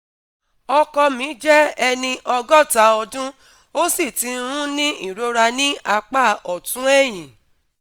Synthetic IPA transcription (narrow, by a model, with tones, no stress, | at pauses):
ɔ˧kɔ˧mĩ˨˦d͡ʒɛ˦ɛ˧nĩ˧ʔɔ˧ɡɔ˦˨ta˨˦ɔ˧dũ˦ | o˦si˦˨tĩ˨˧˦ũ˦nĩ˦i˦˨ɾo˨˦ɾa˧nĩ˦a˧k͡pa˦˨ɔ˨tũ˦ɛ˦˨j̃ĩ˨